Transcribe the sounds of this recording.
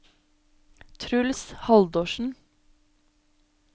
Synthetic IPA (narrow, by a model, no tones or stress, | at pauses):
t̪ʰɾʉlshɑld̪oːʃn̩